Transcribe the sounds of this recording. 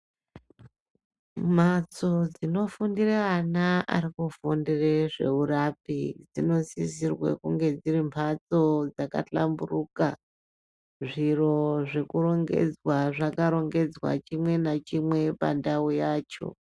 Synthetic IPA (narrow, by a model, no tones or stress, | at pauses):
m̤at͡so̞d͡zino̞fundireanaa̰rikufundireʐe̞̰urapid͡zino̞sisirwḛkuŋɡe̞d͡zirimpʰat͡so̞d͡zaka̰t͡ɬa̰mburuːka | ʐiro̞ʐe̞kuro̞ŋɡe̞̰d͡zwaʐakaɾo̞ŋɡe̞d͡zwa̰t͡ʃimwe̞nat͡ʃimwe̞pa̰ndaujaːt͡ʃo̞̰